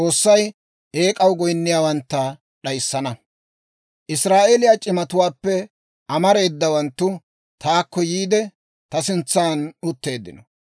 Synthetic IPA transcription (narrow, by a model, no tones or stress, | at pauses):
o̞ːsːɐj | e̞ːkʼɐwɡɔjnːɪjaːwɐnt̪ːɐ | ɗɐjsːɐnɐ | ʔɪsɾaːʔelɪjat͡ʃʼɪmɐt̪ʊwaːpːɛ | ʔɐmɐɾe̞ːd̪ːɐwɐnt̪ːʊ | t̪ʰaːkːɔjiːd̪ɛ | t̪ɐsɪnt͡sːaːnʊt̪ːe̞ːd̪ːɪ̰nɔ